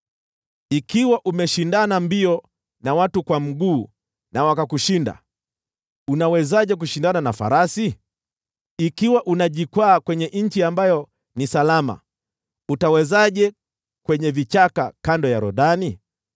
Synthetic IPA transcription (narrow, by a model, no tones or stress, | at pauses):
ikiwaʔumɛʃindanambiɔ | nawatukwam̩ɠuː | nawakakuʃinda̰ | unawɛzaʄɛk̬uʃindananafa̰ɾasi | ikiwaʔunaʄikwaːkwɛɲɛʔɲ̩t͡ʃiambajɔ | nisalama̰ | utawɛzaʄɛ | kwɛɲɛvit͡ʃakakandɔjaɾɔɗani